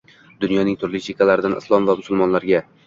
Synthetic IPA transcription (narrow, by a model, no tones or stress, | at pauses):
d̪ʊnjɒnɪŋt̪ʰʊɾlɪt͡ʃʰekʲalaɾɪd̪anʔɪ̰slˠɒmvamʊsʊlˠmɒnlaɾɡʲa